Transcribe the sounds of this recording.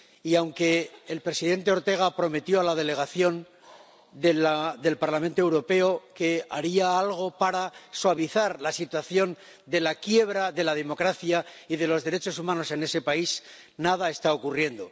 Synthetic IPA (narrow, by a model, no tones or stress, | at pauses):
iawŋke̞ːlpɾe̞siðe̞nt̪e̞o̞ɾt̪e̞ɣ̞apɾo̞me̞t̪jo̞alaðe̞le̞ɣaθjo̞n | d̪elaðe̞lpaɾlamẽnt̪oewɾo̞pe̞o̞ke̞aɾiaalɣ̞o̞paɾaswaβ̞iθaɾlasit̪waθjo̞n | d̪e̞lakje̞βɾaðe̞lað̞e̞mo̞kɾaθjaiðe̞lo̞zðe̞ɾe̞t͡ʃo̞sumãno̞se̞ne̞se̞pais | naðae̞st̪ao̞kurje̞nd̪o̞